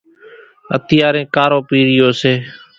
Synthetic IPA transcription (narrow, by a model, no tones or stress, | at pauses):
ət̪ɪjaːɾẽːkaːɾoːpiːɾɪjoːseː